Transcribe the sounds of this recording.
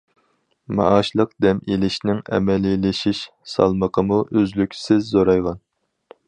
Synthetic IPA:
mɑ̰ʔɑʃlˠəq̚d̪ɛmelɪʃnɪŋɛ̰mɛlɪlɪʃiʃ | sɑ̰lˠməqʰəmuʔøzlykʲʰsɪzːoɾɑjʁɑn

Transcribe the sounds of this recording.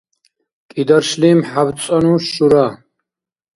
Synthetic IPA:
kʼid̪aɾʃliːmħab̪t͡sʼanũʃuɾa

